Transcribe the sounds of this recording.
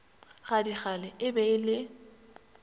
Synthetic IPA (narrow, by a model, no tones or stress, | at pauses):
ɣadiχalɛɪbɛɪlɪ